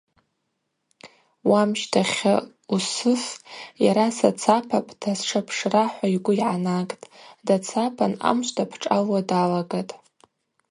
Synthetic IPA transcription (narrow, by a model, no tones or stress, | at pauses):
wamʃtʰaχʲa | usɨsjaɾasat͡sʰapʰapʼtʰasʂʰapʰʂraħʷaiɡʷʊiʕanakʼtʼdat͡sʰapʰana̰mʃʷtʰapʰʈ͡ʂʼalwadalaɡatʼ